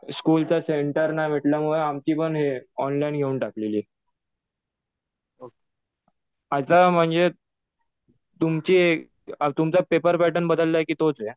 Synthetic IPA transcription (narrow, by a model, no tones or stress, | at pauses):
skult͡saseɳʈəɾnaʋ̤eʈljamuɭeamt͡ɕiːpəɳɦeɔnlainɡʱeunʈakleliː | o | at̪am̤əɳd͡ze | t̪umt͡ɕiːe | t̪umt͡sapepəɾpæʈənbəd̪əlːajkiːt̪ot͡se